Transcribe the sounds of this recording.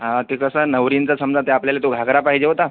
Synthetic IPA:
ɦãkikəsanəʋɾint͡sasəmd͡zat̪eapljalet̪oɡʱaɡɾapaɦid͡ʑeɦot̪a

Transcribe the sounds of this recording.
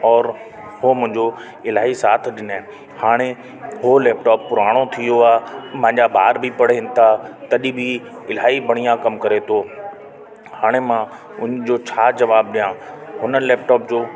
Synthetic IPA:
ɔːɾ | homʊ̃ɦɪ̃ɲd͡ʑo | ɪlaːisaːt̪ʰɪɗɪnẽ | haːɽ̃e | ɦoleːpʈɔːpːʊɾaːɽ̃ot̪ʰijoaːmɐ̃ɦɪ̃ɲd͡ʑabʱa̰ːɾbʱipɐɽeɪnɪ̆t̪ʰat̪ɐʄĩbɪɪlaːibʱɐɽ̃ijãkɐmkɐɾet̪ʰoː | haːɽ̃emã | ʊ̃nd͡ʑoːt͡ɕʰaːd͡ʑɐʋaːb̚ɗijãɦʊnəlɛːp̚ʈɔːp̚d͡ʑoː

